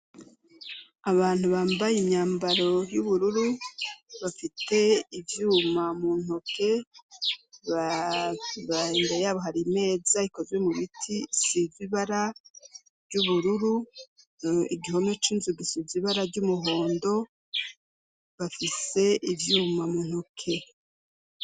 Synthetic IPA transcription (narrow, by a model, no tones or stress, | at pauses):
aβaːn̥huβaːmbajimɲaːmbaɾo̞juβuɾuɾu | βafite̞ivjuːmamuːn̥oke̞ | β | βandejaβoɦaɾime̞ːzaiko̞zwe̞muβitʰisiziβaɾa | vɟuβuɾuɾu | iɡiho̞no̞t͡ʃinzuɡisiziβaɾaɟumuɦo̞ːndo̞ | βafise̞ʔivjuːmamuːn̥hokʰe̞